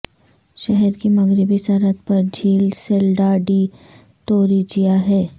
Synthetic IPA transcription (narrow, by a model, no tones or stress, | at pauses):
ʃɛɦɛɾkimɐɡɾɪbisəɾət̪̚pɐɾd͡ʒʱiːlselɖaːɖiː | t̪oːɾid͡ʒijaɦɛː